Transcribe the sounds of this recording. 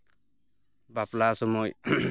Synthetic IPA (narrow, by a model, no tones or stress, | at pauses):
baplasɔmɔj